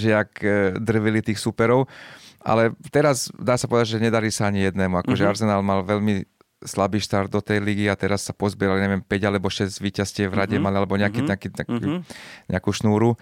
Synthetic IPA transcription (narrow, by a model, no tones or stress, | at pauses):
ʒɪakd̪r̩ʋilit̪iːxsupɛɾɔʊʔa̰lɛt̪ɛɾazd̪aːsḁpɔʋɛd̪aɟʒɛɲɛd̪aɾisaaɲijɛd̪nɛːmuakɔʒɛaɾzɛnaːlmalʋɛlmi | slabiːʃt̪aɾd̪̚d̪ɔt̪ɛjliɡiat̪ɛɾasːapɔzbɪɛɾalaɲɛʋɛmpɛɟalɛbɔʃɛzɟʋiːcascɪɛʋɾaɟɛmalialɛbɔɲɛakiɲɛakiakiɲɛ̰akuːʃnuːɾu